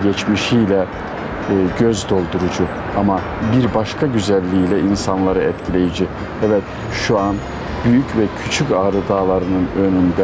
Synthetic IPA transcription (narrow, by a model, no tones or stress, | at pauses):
ɟɛt͡ʃmiʃijlʲɛ | ɟøzd̪o̞lˠd̪uɾud͡ʒu | ama | biɾbaʃkʰaɟyzælʲːiːlʲɛinsanlˠaɾɯɛt̪cʰilʲe̞jid͡ʒi | ɛvɛt̪ | ʃuan | b̥yjycvɛcʰyt͡ʃʰycaːɾɯd̪aːlˠaɾɯnɯnø̞nynd̪ɛ